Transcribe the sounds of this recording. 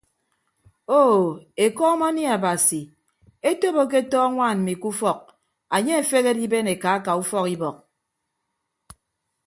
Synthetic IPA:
o˦˨e˨kɔ˦ma˦ni˦a˨ba˨si˨ | e˦to˦bo˦k̬e˦tɔː˦ŋʷa˦˨nm̩˨mi˨ku˦fɔ˦˨k̚ | a˨ɲe˦e˨fe˦ɣe˦di˦be˦ne˨ka˨˦ka˨u˦fɔ˦ki˦bɔ˨k̚

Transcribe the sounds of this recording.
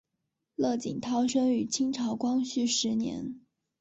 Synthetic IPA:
lɤ˥˩t͡ɕḭ˨˩ŋt̪ʰɑ˥ʊʂɤ˥ŋy˨˩t͡ɕʰi˥ŋʈ͡ʂʰɑ˧˥ʊkwɑ˥ŋɕy˥˩ʂɻ̩˧˥njɛ̰˧˥n

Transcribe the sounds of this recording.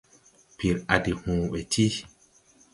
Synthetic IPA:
pi˨ɾʔa˨di˨hũː˨ɓɛ˨tʰi˦

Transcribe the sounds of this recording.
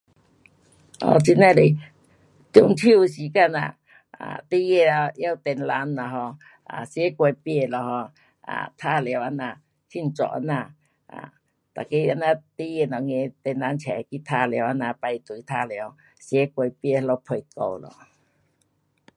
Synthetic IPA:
ɔ̰˨t͡ʃi˧nã˧˨le˨ | t̪ju˧ŋtʰi˦˧si˨˦ka˧˨nã̰˨ | a̰˨t̪i˦je˦˧˨a˧ja˦wt̪e˧n˧la˧˦nːã˨ɦɔ˧ | a̰˨sje˦kʷe˧pje˧˨lɔ˨hɔ˧ | a̰˨t̪ʰa˦le˨o˨wa˧nã˧˨ | t͡ʃʰi˦˨n̩˨t͡ʃɔ̰˨ʔa̰˧nã˧˨ | a̰˨ | t̪a˨ki˧a˧nã˧t̪i˦je˧˨nɔ̃˨ŋẽ˧t̪e˧nla˧˦nt͡ʃʰɛ˨ki˦t̪ʰa˧le˨a˧nã˧pa˧jt̪u˨˦t̪ʰa˧le˨o˧˨ | sje˦kʷe˧˨pje˧˨hlo˧˦pʰə˧jko̰˧˨wlɔ̰˨

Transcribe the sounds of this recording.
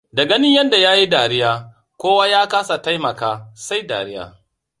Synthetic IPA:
dɐ˨ɡɐ˦nɪ˦ɲjɐ˦nda˨jaː˦ji˦daː˨ɾɪ˦jaː˦ | kʷoː˦waː˦jaː˦kaː˦sa˨ta˦jmɐ˨kaː˦sa˦jda̰ː˨ɾɪ˦ja̰ː˨

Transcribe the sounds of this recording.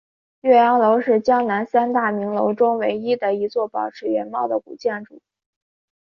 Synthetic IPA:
ɥɛ˥˩jɑ˧˥ŋlo˧˥ʊʂɻ̩˥˩t͡ɕjɑ˥ŋna˧˥nsa˥nt̪a˥˩mi˧˥ŋlo˧˥ʊʈ͡ʂʊ˥ŋwe˧˥ɪi˥d̪ə˨i˧˥t͡swɔ˥˩pɑ˨˩ʊʈ͡ʂʰɻ̩˥ɥɛ˧˥nmɑ˥˩ʊd̪ə˩ku˨˩t͡ɕjɛ˥˩nʈ͡ʂṵ˨˩˦

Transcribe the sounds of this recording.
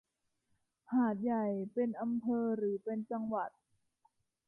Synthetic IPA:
haː˨˩˦t̪̚ja˨˩jpe˧nʔa˧mpʰɤː˧ɾɯː˩˦pe˧nt͡ɕa˧ŋwa˨˩t̪̚

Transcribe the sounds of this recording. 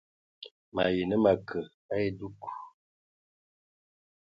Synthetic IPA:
ma̰˨je˨nə˦ma˨kʰə˨ | a˦e˦du˦ku˨

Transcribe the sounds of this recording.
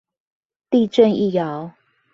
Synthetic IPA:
t̪i˥˧ʈ͡ʂə˥˨ni˥˨jɑ˨˦ʊ

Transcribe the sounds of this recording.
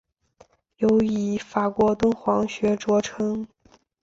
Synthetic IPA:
jo˧˥ʊi˧˥fa˨˩kwɔ˧˥t̪ə˥nxwɑ˧˥ŋɕɥɛ˧˥ʈ͡ʂwɔ˧˥ʈ͡ʂʰɤ˥ŋ

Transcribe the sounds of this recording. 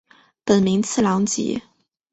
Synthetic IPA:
pə˨˩nmi˧˥ŋt͡sʰɹ̩˥˩lɑ˧˥ŋt͡ɕḭ˨˥˦

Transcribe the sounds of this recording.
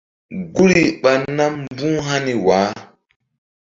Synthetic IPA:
ɡu˦ɾi˨ɓa˨nːa˦mbũ˦ɦa˦ni˨wa˨˦

